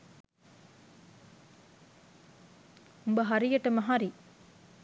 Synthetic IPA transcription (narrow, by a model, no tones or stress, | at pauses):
umbəɦɐɾijɐʈːɐmɐɦaɾi